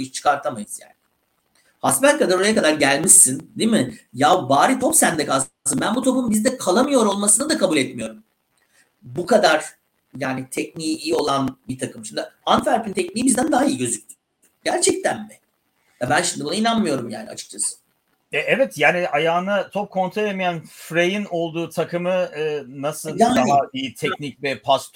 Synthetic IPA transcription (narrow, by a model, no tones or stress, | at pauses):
jiʃt͡ʃʰɯ̥kʰaɾt̪ʰamajɯz̥ja̰ːnɪ | hasmænʲkad̪aɾo̞ɾajakad̪aɾɟælʲmiʃsːind̪iːmɪjawbaːɾit̪ʰo̞psænd̪ɛkʰalsɯmbænbut̪ʰo̞pumbizd̪ɛkʰalˠamɯjo̞ɾo̞lˠmasɯnad̪akʰabulʲɛt̪mijo̞ɾum | bukad̪aɾ̥ | jaːnit̪ʰɛcnijiːjo̞lˠanbit̪ʰakʰɯmʃimd̪ɪant̪fæɾpynt̪ʰɛcniːibizd̪ænd̪aɦaijiɟø̞zyc̚ʲt̪ʰy̥ | ɟ̥æɾt͡ʃʰɛc̚t̪ʰænbɛ | jabænʃimd̪ibunainanmɯjo̞ɾumja̰ːnḭa̰t͡ʃʰɯ̥k̚t͡ʃʰasɯ̥ | ɛʔɛvɛt̪jaːniajaːnat͡ʃt̪ʰop̚kʰo̞nt̪ʰɾolʲemijænfɾejino̞lˠd̪uːt̪ʰakʰɯmɯɯːnasɯlˠd̪aaaiit̪ʰɛcnic̚bɛpʰast̪